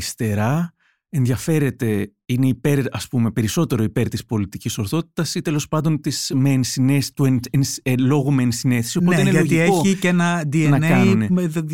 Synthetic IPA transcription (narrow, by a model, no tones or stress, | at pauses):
ist̪e̞ɾɐ | e̞nðʝɐfe̞ɾe̞t̪e̞ | ine̞ipe̞ɾɐspume̞pe̞ɾiso̞t̪e̞ɾo̞ipe̞ɾt̪ispo̞lit̪iciso̞ɾθo̞t̪i̥t̪ɐsit̪e̞lo̞spɐnd̪o̞nt̪ismensinest̪uennslo̞ɣumeːnsine̞θesionoeineʝɐoʝieoicenɐd̪ienɐnkɐnune